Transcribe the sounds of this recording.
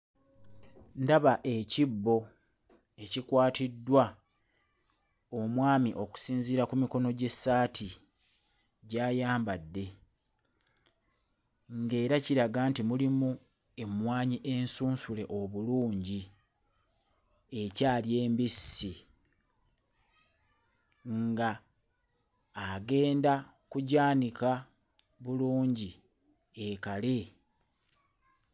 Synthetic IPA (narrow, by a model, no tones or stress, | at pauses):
ndaβaʔe̞cibːo̞ | e̞cikwaːtidːwa | omwaːmiʔo̞ku̥siːnziɾakumiko̞no̞ɟe̞sːaːtʰi | ɟaːjaːmbadːe̞ | ŋɡe̞ːɾaciɾaɡaːntimulimu | e̞mwaːɲiʔensuːnsule̞ʔo̞βuluːɲɟi | e̞caːlje̞ːmbisi | ŋɡa | ɡe̞ːnda | kuɟaːnika | βuluːɲɟi | ekale̞